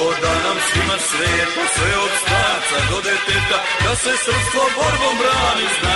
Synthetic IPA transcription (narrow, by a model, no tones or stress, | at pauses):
od̪anamsimaʃɾɛːt̪osʋɛop̪st̪ant̪sad̪od̪ɛt̪ɛt̪a | d̪asɛsr̩pst̪voboɾbombɾaːnisna